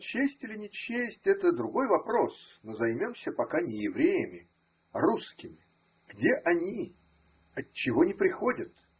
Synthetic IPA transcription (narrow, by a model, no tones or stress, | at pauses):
t͡ɕːesʲtʲilʲɪnʲɪt͡ɕːesʲtʲɛt̪əd̪ɾʊɡo̞jvɐpɾo̞snozɐjmʲomsʲəpɐkanʲɪjɪvɾʲejɪmʲɪ | ruskʲɪmʲɪ | ɡ̥dʲeʔɐnʲi | ɐt̚t͡ɕːɪvonʲɪpɾʲɪxo̞dʲət̪